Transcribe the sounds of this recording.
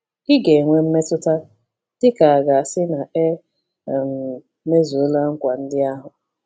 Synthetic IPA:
ɪ˦ɡe˨ŋʷe˦m̩˦me˦tʊ˦ta˦ | d̥ɪ˦ka˨a˨ɡa˨sɪ˦na˨e˦˨ | m˨ | me˦zu˨o˦lu˦a˦ŋ̩˦kʷa˨n̩˦dɪ˦a˦ɦʊ˨

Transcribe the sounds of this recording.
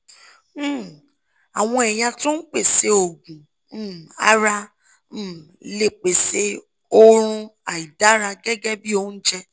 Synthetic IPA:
a˨w̃ɔ̃˧ɛ˨ja˧tũ˦k͡pe˦˨se˧o˨ɡũ˨˦˨ | a̰˦ɾã˧˦˨ | le˨k͡pe˨se˧ | o˦ɾ̃ũ˧a˨i˨da˨˦ɾa˧ɡɛ˦ɡɛ˦bi˦o˦n̩˦d͡ʒɛ˦

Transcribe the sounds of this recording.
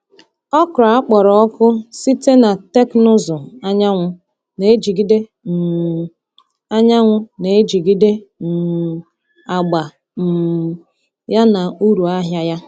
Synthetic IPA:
ɔ˦kʊ˨ɾa˨a˦k͡pɔ˨ɾɔ˨ɔ˦kʊ˦si˦te˦na˨te˦kno˦zʊ˨a˦ɲa˦ŋʷʊ˦ | ne˨e˦d͡ʒi˨ɡi˦de˦˨ | a˦ɲa˦ŋʷʊ˦ne˨e˦d͡ʒi˨ɡi˦de˦n̩˨ | a˨ɡ͡ba˨ | m̩˨ | ja˦na˨u˦ɾu˨a˦ɦja˦ja˦

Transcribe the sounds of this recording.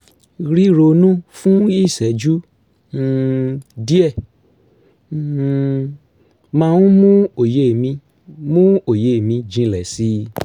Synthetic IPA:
ɾi˦ɾo˧nũ˦fũ˦i˦˨sɛ˨˦d͡ʒũ˦˨ | di˦ɛ˦˨ | mã˧wũ˦mũ˦o˨je˨˦˨mĩ˧ | mũ˦o˨je˨˦˨mĩ˧d͡ʒĩ˧lɛ˨si˦

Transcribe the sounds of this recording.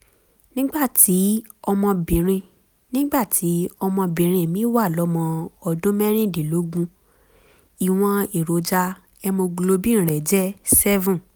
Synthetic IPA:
nĩ˦ɡ͡ba˦˨ti˨˦ | ɔ˧mɔ̃˧bĩ˨ɾ̃ĩ˧ | nĩ˦ɡ͡ba˦˨tʰi˨˦ɔ˧mɔ̃˧bĩ˨ɾ̃ĩ˧˨mĩ˨˦wa˦˨lɔ˨˦mɔ̃˧ɔ˧dũ˦mɛ˦ɾ̃ĩ˦˨di˨lo˨˦ɡũ˧ | i˨w̃ɔ̃˧i˨ɾo˨d͡ʒa˧ | ɛ˧mo˧ɡlo˧bĩ˦ĩ˦˨ɾɛ˨d͡ʒɛ˦sɛ˦vũ˦

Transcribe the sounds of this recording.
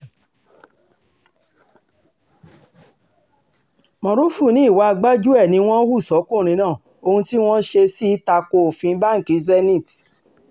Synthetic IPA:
mɔ̃˧ɾo˦fu˦˨nĩ˨˦i˦˨wa˨˧a˧ɡ͡ba˦d͡ʒu˦ɛ˦˨nĩ˧˦w̃ɔ̃˦wu˦˨sɔ˨˦kũ˦˨ɾ̃ĩ˧˦nãː˦˨ | o˧hũ˧ti˦w̃ɔ̃˦ʃe˧si˦ta˧ko˧o˨fĩ˧˦ba˦ŋ̩˨ki˨˧zɛ˦nĩ˦˨t

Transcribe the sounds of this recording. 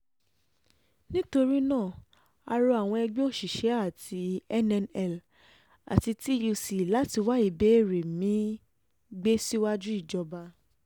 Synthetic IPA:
nĩ˦to˧ɾi˦nãː˦˨ | a˧ɾɔ˧a˨w̃ɔ̃˧ɛ˧ɡ͡be˦o˦˨ʃi˨ʃɛ˨˦a˦˨tʰi˧ɛ˦nɛ˧nɛ˦˨l | a̰˨ti˧ti˦ju˧si˨la˨˦ti˧wa˦i˨be˨˦e˦˨ɾe˨mĩ˨˦ | ɡ͡be˦si˦wa˦d͡ʒu˦i˦˨d͡ʒɔ˧ba˧

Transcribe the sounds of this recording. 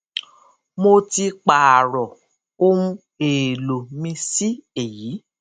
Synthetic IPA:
mo˧ti˧k͡pa˨a˨ɾɔ˨ | o˦ɾũ˦ | e˨lo˨mĩ˧si˦e˨jiː˨˦

